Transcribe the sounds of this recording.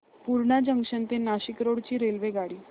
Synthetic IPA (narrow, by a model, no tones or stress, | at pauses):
puɾɳad͡ʑəŋɡɕənt̪enaɕikɾoɽt͡ɕiːɾelʋeɡaɽiː